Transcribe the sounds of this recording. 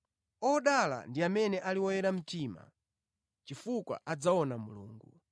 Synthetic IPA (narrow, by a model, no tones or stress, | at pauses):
ɔɗala̰ndiamɛnɛʔaliwɔjɛɾam̩tima̰ | t͡ʃifukwa̰ʔad͡zaɔnamuluːŋɡu